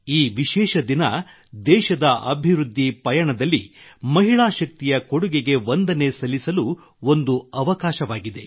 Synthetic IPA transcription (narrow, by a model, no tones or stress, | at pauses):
iːʋiʃɛːʃɐd̪inɐ | d̪ɛːʃɐd̪ɐʔɐbʱiʋɾud̪ʱːipɐjɐɳɐd̪ɐlːimɐɦiɭaːʃɐk̚t̪ijɐkoɽuɡeɡe̞ʋo̞nd̪ɐne̞sɐlisɐlu | o̞nd̪uɐʋɐkaːʃɐʋaːɡid̪e̞